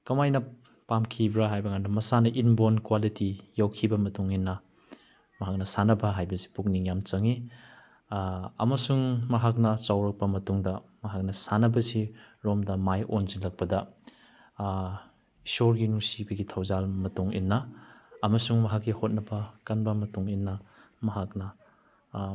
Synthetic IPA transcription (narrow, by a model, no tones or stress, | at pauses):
kɐmajnɐ | pamkʰibɾɐɦajbɐŋandɐmɐsanɐʔinbonkwalitijawkʰibɐmɐtuŋinːɐ | mɐɦak̚nɐsanɐbɐɦajbɐsi̥puk̚niŋjamt͡ʃɐŋi | ɐ̰mɐsuŋmɐɦak̚nɐt͡ʃawɾɐk̚pɐmɐtuŋdɐmɐɦak̚nɐsanɐbɐsiɾomdɐmajʔonzilɐk̚pɐdɐ | isoɾɡinusibɐɡitʰawzalmɐtuŋḭnːɐːmɐsuŋmɐɦakːihot̚nɐbɐkanbɐmɐtuŋinːɐ | mɐɦak̚nɐ